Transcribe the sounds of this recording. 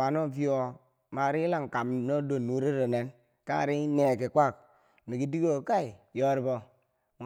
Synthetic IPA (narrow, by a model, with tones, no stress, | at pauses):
a˨no˦vi˦o˨ | ma˨ɾi˦la˦ŋ˨ka˨mno˦do˨nːu˨˦ɾe˦ɾo˨ne˨˦n | ka˦˨ɾi˦ne˨ke˨kʷa˦˨k | mi˨ki˨di˦ɡo˦˨ka˦i˨jo˦ɾi˦bo˦